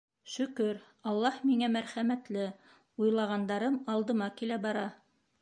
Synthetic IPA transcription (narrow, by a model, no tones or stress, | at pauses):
ʃɵ̆kɵɾ | ɑlˠːɑhmiŋæmæɾχæmæt̪lɘ | ujlˠɑʁɑnd̪ɑɾɤmɑlˠd̪ɤ̆mɑkilæbɑɾɑ